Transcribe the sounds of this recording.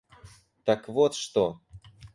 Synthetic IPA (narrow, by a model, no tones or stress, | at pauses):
t̪akvot̪ʂt̪o